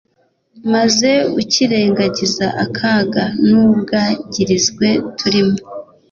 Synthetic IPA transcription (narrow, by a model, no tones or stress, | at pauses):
maze̞uciɾe̞ːŋɡaɟizaʔakʰaːɡanuβɡaːɟiɾizɡwe̞tʰuɾimo